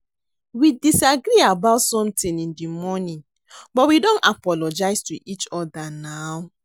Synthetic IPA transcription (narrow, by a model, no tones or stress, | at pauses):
widisaɡɾiabaʊtsɔ̃mtĩnĩndimɔnĩn | bɔtwidõnapɔlɔd͡ʒaɪstuʔit͡ʃɔdanaʊ